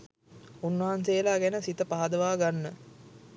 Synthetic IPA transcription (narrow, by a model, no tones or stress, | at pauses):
unːɐɦansejəlaɡɛnəsit̪əpaɦad̪əʋaːɡanːə